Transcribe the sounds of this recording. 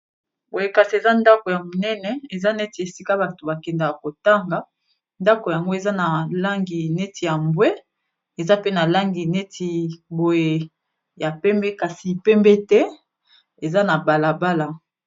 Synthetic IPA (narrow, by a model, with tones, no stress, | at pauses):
bo˨je˨ka˨si˨e˨za˦nda˦ko˨ja˨mo˨nɛ˦nɛ˨e˨za˦nɛ˦ti˨e˨si˦ka˦ba˨to˨ba˨kɛ˨nda˨ja˨ko˨ta˦ŋɡa˨˦ | nda˦ko˨ja˨ŋɡo˦e˨za˦na˨la˦ŋɡi˨ne˦tʰi˨ja˨mbwe˦ | e˨za˦pe˦na˨la˦ŋɡi˨ne˦tʰi˨bo˨je˨ | ja˨pɛ˦mbɛ˦ka˨si˨pɛ˦mbɛ˦tɛ˦ | e˨za˦na˨ba˨la˨ba˦la˨